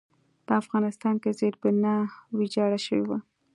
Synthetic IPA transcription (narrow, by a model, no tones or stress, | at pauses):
pəafɣɑnɪst̪ɑnkezeɾbʊnawid͡ʒɑɽaʃəwḛwa